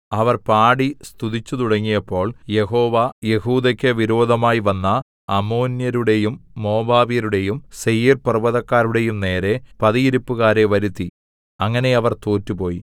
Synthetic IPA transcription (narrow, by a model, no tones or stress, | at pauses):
ɐʋɐrpaːɽist̪uðit͡ɕːut̪uɽɐŋːijɐpːo̞ːɭje̞ɦo̞ːʋɐje̞huːd̪ɐkʲːɐʋiɾo̞ːd̪ʱɐmaːjiʋɐnːɐː | mo̞ːnjɐɾuɽe̞jumːo̞ːbaːʋijɐɾuɽe̞jumsejiːrpɐrʋɐðɐkːaːɾuɽe̞jumne̞ːɾe̞pɐðijiɾupːuɣaːɾe̞ʋɐɾut̪ːi | ɐŋːɐne̞ɐʋɐrt̪oːtːupo̞ːji